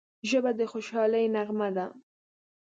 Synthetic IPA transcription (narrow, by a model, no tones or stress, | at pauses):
ʒəbad̪əxoʃɑləjnaɣmad̪a